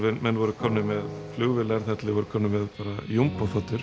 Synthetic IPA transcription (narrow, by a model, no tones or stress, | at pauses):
vɛmɛnːvɔɾʏkʰɔmnɪmɛðflʏɣvɪlɛɾ̥θɛt̪lɪvɔɾʏ̥kʰɔmnɪmɛðpaːɾajumpafɔt̪ʏɾ̥